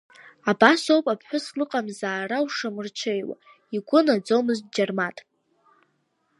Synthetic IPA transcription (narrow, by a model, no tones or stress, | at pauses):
abasowpʼapʰħʷᶣʊslɨqʼamzaːrawʂamɨrt͡ʃʰejwa̰ | iɡʷʊnad͡zomɨz̚d͡ʒarmatʼ